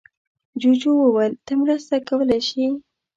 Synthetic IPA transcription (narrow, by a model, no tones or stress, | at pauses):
d͡ʒod͡ʒowəwəlt̪əmɾəst̪akawəlajʃi